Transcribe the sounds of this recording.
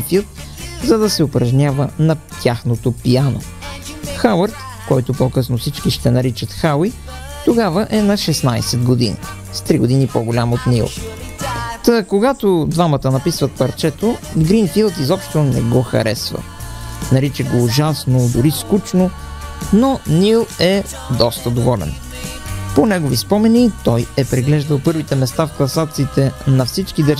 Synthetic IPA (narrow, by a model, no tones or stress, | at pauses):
filˠt̪zɐd̪ɐsɛʊpɾɐʒnʲavənɐt̪ʲjaxnot̪opijano̰ | xawəɾt̪ | kɔjt̪opokɤsnofsit͡ʃkiʃt̪ɛnɐɾit͡ʃət̪xawi | t̪oɡavəʔɛnɐʃɛsnajsɛd̪ɡod̪inḭ | st̪ɾiɡod̪inipoɡolʲamot̪nilˠ | t̪əkoɡat̪od̪vamət̪ənɐpisvət̪̚pɐɾt͡ʃɛt̪oɡɾinfilˠt̪izɔpʃt̪onɛ̰ɡɔxɐ̰ɾɛsvə̰ | nɐɾit͡ʃɛɡoːʒasnod̪ʊɾiskut͡ʃno | nonilˠɛ | d̪ɔst̪ɐd̪ovɔlɛ̰n | ponɛɡovispɔmɛnit̪ɔjɛpɾɛɡlɛʒd̪əlˠpɤɾvit̪ɛmɛst̪afklˠɐsat̪siːt̪ɛnɐfsit͡ʃkid̪əɾ